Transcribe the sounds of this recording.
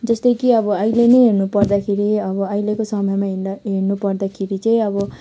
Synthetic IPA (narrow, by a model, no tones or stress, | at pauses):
d͡zʌst̪ʌjkiʌbʌʌjlenʌjɦeɾnupʌrd̪akʰeɾiʌbʌʌjlekosʌmʌmaɦeɦeɾnupʌrd̪akʰeɾit͡sʌĩʌbʌ